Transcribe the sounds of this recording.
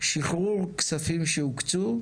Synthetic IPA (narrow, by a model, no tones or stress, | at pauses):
ʃiχʁuʁksafimʃeukt͡su